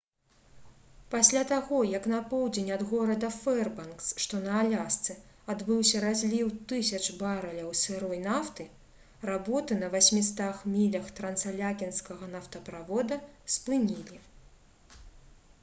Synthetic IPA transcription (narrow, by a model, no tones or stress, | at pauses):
pasʲlʲat̪aɣɔjɐkn̪ɐpɔwd͡zʲenʲɐd̪ɣɔɾɐd̪ɐfɛrbɐnksʂt̪ɔnɐalʲast̪sɨ | ad̪bɨwsʲɐɾazʲlʲiwt̪ɨsʲɐt͡ʂbaɾɐlʲɐwsʲɨɾɔjnaft̪ɨ | rabɔt̪ɨnɐvasʲmʲist̪axmʲilʲɐxt̪ɾɐnt̪salʲakʲinskɐɣɐnɐft̪ɐpɾavɔd̪ɐspɨnʲilʲi